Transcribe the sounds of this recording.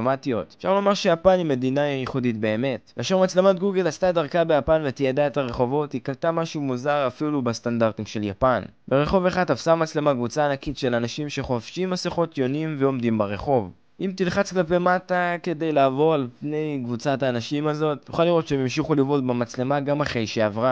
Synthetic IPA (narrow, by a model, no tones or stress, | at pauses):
matio̞tefʃa̰ʁlomaʁʃe̞japanime̞dinaijiχuditbe̞ːme̞taʃeʁmat͡sle̞motɡuɡelastadaʁkabe̞japanvetijadae̞taʁe̞χo̞vo̞tikaltamaʃumuzaʁafilubest̪andaʁtimʃe̞lja̰pan | be̞ʁe̞χo̞ve̞χadafsamat͡sle̞makvut͡saːnakitʃe̞lanaʃimʃe̞χofʃimːaseχo̞tjo̞nimveo̞mdimbaʁe̞χo̞v | ʔimtilχat͡sklape̞matake̞de̞jlaːvo̞ʁalpne̞jkvut͡sataːnaʃimazo̞tnuχaliʁo̞t̪t͡ʃemjimʃiχulivodbemat͡sle̞maɡamaχʁe̞jʃeavʁa